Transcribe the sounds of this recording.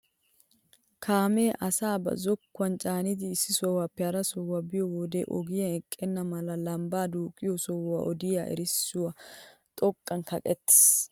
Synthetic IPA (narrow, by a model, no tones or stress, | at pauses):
kʰaːmeːʔɐsaːbɐ̰zɔkːʊɐnt͡ʃʼaːnɪd̪ɪːsːɪsɔwaːpːɛɐɾɐsɔwabɪjɔwɔd̪ɛʔɔ̰ɡɪjɐɛkʼːɛnːɐmɐlɐlɐmbaːd̪uːkʼːɪjɔsɔwa̰ʔɔd̪ɪjaːʔɛ̰ɾɪsːʊwat̪ʼɔkʼːɐnkɐkʼɛt̪ːɪ̥s